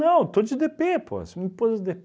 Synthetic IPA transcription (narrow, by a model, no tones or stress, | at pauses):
ɐ̃w̃t̪od͡ʒɪd̪epepʰo̰sm̃pozɐzd̪ep